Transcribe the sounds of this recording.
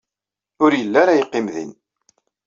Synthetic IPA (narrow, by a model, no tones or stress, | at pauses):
ʊɾjəlːæɾajəqːimðḭn